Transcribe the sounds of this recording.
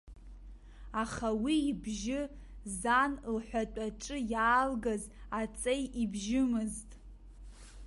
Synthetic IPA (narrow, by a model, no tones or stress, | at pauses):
aχawiːbʒɪ | zanlħʷᶣatʷʼaʈ͡ʂʼɨjaːlɡaz | at͡sʼejibʒɪmɨztʼ